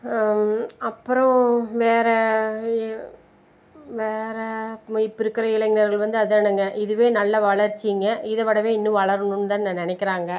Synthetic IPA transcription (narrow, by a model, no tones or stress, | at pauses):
ɐpːɯɾɔ̃ʋeːɾɛ | ʋeːɾɛɪpːɪɾɯkːɐɾɐɪɭɐŋɡɪnɐɾɣɐɭʋɐnd̪ɯɐðɯnɯŋɡɐʔɪðɯʋeːnɐlːɐʋɐɭɐɾt͡ʃːiŋɡɐʔɪðɐʋɐɽɐʋeːɪnːɯ̃ʋɐɭɐɾɯnɯnːɯt̪aːnnɐ̃nɪnɛkʲːɪɾaːŋɡɐ